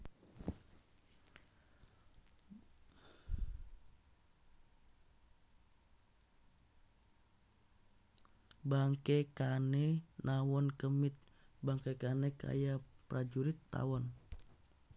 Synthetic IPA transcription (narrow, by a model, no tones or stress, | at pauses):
baŋkɛkanɛnʔawɔnkəmit̪̚ | baŋkɛkanɛka̰japɾad͡ʒuɾit̪ːa̰wɔn